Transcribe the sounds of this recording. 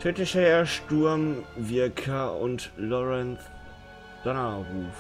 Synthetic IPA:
tʰøtɪʃheːɐʃtuɐmvɪɐkʰɐʊ̰ntlɔʁɛnt͡s | d̥ɔnɐʁuːf

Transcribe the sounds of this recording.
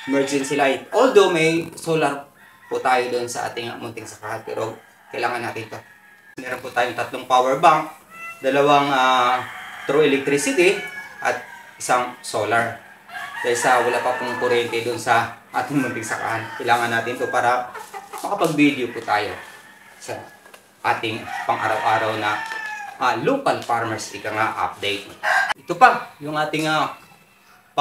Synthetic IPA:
ʔmɛɹd͡ʒɪnsɪlajt̪̚ʔold̪omɐjsoːlɐɾ | pʊt̪aːjod̪oʔonsɐʔa̰ːt̪ɪŋɐ̰mʊnt̪ɪŋsɐkahanpɛ̰ːɾʔo | kɐjlaːŋɐnːaːt̪ɪnt̪o | mɛːɾonpʊt̪aːjoŋt̪ɐt̪loŋpawɛɹbaŋk̚d̪ɐlɐwaŋa | t̪ɾoʔɛlɛk̚t̪ɾisɪt̪iʔɐ̰t̪̚ | ʔɪsaŋsoːlɐɹ | kɐsɐwɐlapɐkoŋkʊɾɛnt̪ɛd̪ʊnsɐʔa̰ːt̪ɪŋmʊnt̪ɪŋsɐkɐ̰hankɐjlaːŋɐnːaːt̪ɪnt̪opaːɾɐmɐkɐpɐɡ̚bid̪jopʊt̪aːjo̞̰ | sɐ | ʔaːt̪ɪŋpɐŋʔa̰ːɾɐwʔaːɾɐwnɐʔaloːkɐlpaɹmɛɹsʔɪkaŋaʔa̰p̚d̪ɛjt̪̚ʔɪt̪opɐjʊŋʔaːt̪ɪŋa | p

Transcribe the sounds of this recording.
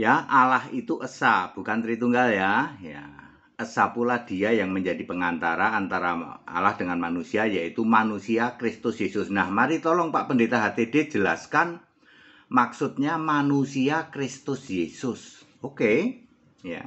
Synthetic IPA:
jaʔalahit̪uʔəsab̥ṳkant̪ɾit̪uŋɡaljaja̰ | əsapulad̥i̤ajaŋməɲd͡ʒadipəŋant̪aɾaːnt̪aɾa̰a̰lahd̥əŋanmanusiajait̪umanusiakɾɪst̪ʊsjesʊsnahmaɾit̪ɔlɔŋpaʔpəndet̪aɦat̪ed̥e̥d͡ʒ̥əlaskan | maksʊt̪̚ɲamanusiakɾɪst̪ʊsjesʊs | oke | ja̰

